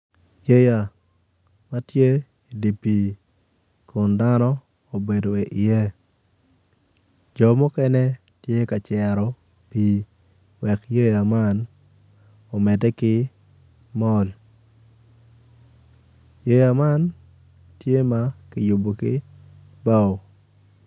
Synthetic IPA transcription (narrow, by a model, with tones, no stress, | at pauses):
je˦ja˨ | ma˦tje˦ | i˨di˨pːi˨ | kʰʊ˨nda˦nɔ˦ | o˨be˨do˨e˨ʔi˨je˦ | d͡ʒɔ˨mɔ˦kɛ˦nɛ˦ | tje˦ka˨t͡ʃɛ˨ɾɔ˨ | pi˨ | wɛ˨kje˦ja˨ma˦n | o˨mɛ˨dɛ˦kɪ˦ | mɔ˦˨l | je˦ja˨ma˦n | tje˦ma˦kɪ˨ju˨bo˨kɪ˦ | ba˦˨w